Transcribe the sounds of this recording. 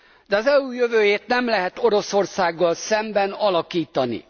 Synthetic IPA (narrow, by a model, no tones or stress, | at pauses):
d̪ɛɒzɛuːjøvøːjeːt̪nɛmlɛɦɛt̪o̞ɾo̞so̞rsaːɡːɒlsɛmbɛnɒlɒkiːt̪ɒnḭ